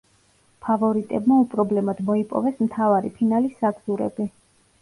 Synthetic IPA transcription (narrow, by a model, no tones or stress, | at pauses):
pʰavɔɾit̪ʼɛbmaupʼɾɔblɛmad̪mɔipʼɔ̰vɛsmt̪ʰavaɾḭpʰinalisaɡz̥uɾɛ̰bi